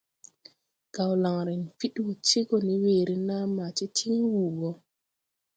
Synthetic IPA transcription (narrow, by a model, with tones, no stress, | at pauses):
ɡ̥a˨wla˨ŋɾi˨nfi˦ɗwo˨t͡ʃe˦ɡɔ˨ni˦weː˨ɾi˦na˦ma˨ti˦tʰi˦ŋwuː˨ɡɔ˦